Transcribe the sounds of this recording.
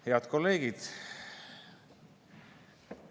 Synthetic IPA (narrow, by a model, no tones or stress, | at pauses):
heɑt̪ko̞lːe̞ːɡ̥id̪̥